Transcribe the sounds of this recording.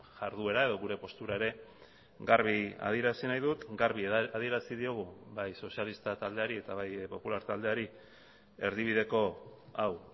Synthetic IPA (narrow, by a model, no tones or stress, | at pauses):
ʝaɾðue̞ɾae̞ðo̞ɣuɾe̞po̞st̪uɾae̞ɾe̞ | ɡaɾβia̰ð̞ieɾasinajðut̪ɡaɾβiaðie̞ɾasið̞io̞ɣ̞ubajso̞sialist̪at̪ald̪e̞aɾie̞t̪aβajpo̞pulaɾt̪ald̪e̞aɾi | e̞ɾðiβ̞iðe̞ko̞aw